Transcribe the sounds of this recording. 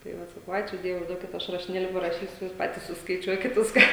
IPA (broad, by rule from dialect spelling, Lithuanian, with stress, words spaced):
tɐɪ ˈʋɐt sɐˈkɐʊ ˈɑːt͡ʃʲuː ˈdʲiɛʋʊɪ ˈduɔkʲɪt ˈɐʃ rɐʃʲɪˈnʲeːlʲɪ pɐrɐˈʃʲiːsʲʊ ˈjuːs ˈpɑːtʲiːs sʊskɐɪˈt͡ʃʲuɔkʲɪt ˈʋʲɪskɑː